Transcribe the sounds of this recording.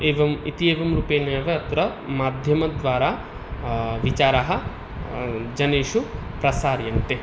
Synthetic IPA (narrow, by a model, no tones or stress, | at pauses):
eːʋɐmḭt̪ieːʋɐmɾuːpeːnɐɐʋeɐt̪ɾɐmaːd̪ʱjɐmɐd̪ʋaːɾaː | ʋit͡ʃaːɾaɦɐ̆ | d͡ʒɐneːʃupɾɐsaːɾjɐnt̪e